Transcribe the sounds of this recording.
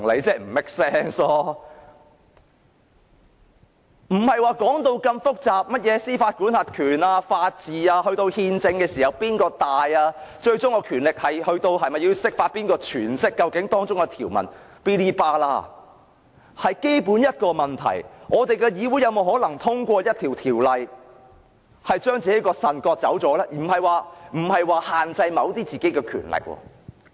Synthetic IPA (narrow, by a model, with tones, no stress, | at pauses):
ŋle˨˧jt͡sɛː˧˥m̩˨˩mɪ˥k̚sɛː˥ŋsɔː˧ | m̩˨˩hɐ˨jwaː˨˧kɔː˨˥ŋt̪o˧wkɐ˧mfʊ˥k̚t͡saː˨p̚mɐ˥t̚jɛː˨˧siː˥faː˧t̚kuː˨˥nsaː˧t̚kʰyː˨˩naː˧faː˧t̚t͡siː˨aː˧hɵ˧ɥt̪o˧whiː˧nt͡sɪ˧ŋkɛː˧siː˨hɐ˨˩wpiː˥nkɔː˧t̪aː˨jaː˧t͡ʃɵ˧ɥt͡sʊ˥ŋkɔː˧kʰyː˨˩nlɪ˨k̚hɐ˨jhɵ˧ɥt̪o˧whɐ˨jmɐ˨ji˧wsɪ˥k̚faː˧t̚piː˥nkɔː˧t͡ʃʰyː˨˩nsɪ˥kːɐ˧wkɪ˨˥ŋt̪ɔː˥ŋt͡sʊ˥ŋkɛ˧t̪ʰiː˨˩wmɐ̰˨˩n | pi˧liː˧paː˧la̰ː˧ | hɐ˨jke˥jpu˨˥njɐ˥t̚kɔː˧mɐ˨nt̪ʰɐ̰˨˩jŋɔː˨˧t̪e˨jkɛː˧jiː˨˧wu˨˥jɐ˨˧wmo˨wɦɔː˨˥lɐ˨˩ŋt̪ʰʊ˥ŋkʷɔː˧jɐ˥t̚t̪ʰiː˨˩wt̪ʰiː˨˩wlɐ˨j | hɐ˨jt͡ʃœː˥ŋt͡siː˨ke˨˥jkɔː˧sɐ˨nkɔː˧t̚t͡sɐ̰˨˥wt͡sɔː˨˥laː˥i˨˩m̩˨˩hɐ˨jwaː˨˧m̩˨˩hɐ˨jwaː˨haː˨nt͡sɐ˧jmɐ˨˧wt̪iː˥t͡siː˨ke˨˥jkɛː˧kʰy̰ː˨˩nlɪ̰˨k̚wɔ̰ː˧